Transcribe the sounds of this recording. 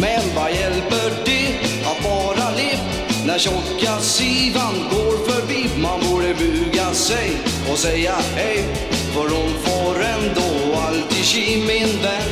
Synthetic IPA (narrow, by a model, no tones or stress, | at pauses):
mɛnvajɛlpəɖɪ | at̪fɑːɾalɪp | næɾɕɔkːasiːvanɡoːɾfœɾbiːmanbøɾəbʉːɡasɛj | ɔsɛjːahɛj | fɔɾʊnfɑɾɛnd̪oalt̪ɪɕimɪnd̪ɛ